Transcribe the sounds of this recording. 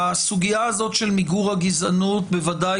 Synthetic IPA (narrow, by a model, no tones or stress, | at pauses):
asuɡiaazo̞t̪ʃelmiɡuʁhaɡizanut̪̚bevada